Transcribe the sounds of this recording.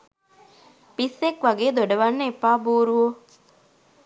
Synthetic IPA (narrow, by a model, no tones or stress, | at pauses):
pisːekʋɐɡeːd̪oɖɐʋɐnːeepːaːbuːɾuɦo